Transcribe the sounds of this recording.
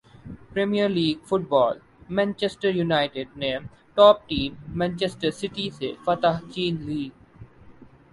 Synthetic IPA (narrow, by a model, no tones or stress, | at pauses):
pɾemijəɾliːɡfʊʈ̚bɔːl | mɛ̃nt͡ʃesʈəɾjunaɪʈɪɖ̚nẽːm | ʈɔːp̚ʈĩːmːɛ̃nt͡ʃesʈəɾsɪʈisefɐt̪əɦt͡ʃĩːnliːɡ